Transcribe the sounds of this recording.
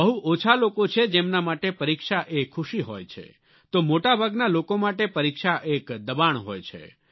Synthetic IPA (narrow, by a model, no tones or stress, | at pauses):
əɦuʔot͡ʃʰalokot͡ʃʰed͡ʒemnamaʈepəɾikʃaʔekʰːuʃiɦojt͡ʃʰḛ | t̪omoʈabʱaɡnalokomaʈepəɾikʃaʔekd̪əbaɳ̃ɦojt͡ʃʰḛ